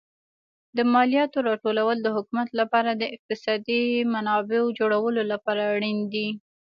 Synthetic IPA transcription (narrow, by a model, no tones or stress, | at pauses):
d̪əmɑlijɑt̪oɾɑʈolawəld̪əɦʊkumat̪lapɑɾad̪əɪq̚t̪ɪsɑd̪imanɑbeod͡ʒoɽawəlolapɑɾaɽind̪i